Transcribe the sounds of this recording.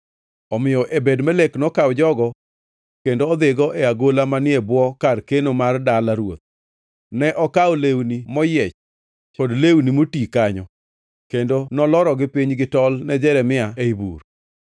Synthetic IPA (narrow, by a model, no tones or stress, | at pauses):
ɔmɪjɔʔebedmɛleknɔkawd͡ʒɔɡɔ | kendoːd̪ɪɡɔʔɛaɡolamanɪebwɔkarkenomardalaɾwot̪̚ | nɛʔɔkaolewnimɔjɛt͡ʃ | kodlewnimotikaɲɔ | kendonɔlɔɾɔɡɪpiɲɡɪtɔlnɛd͡ʒɛɾɛmɪaeibṵr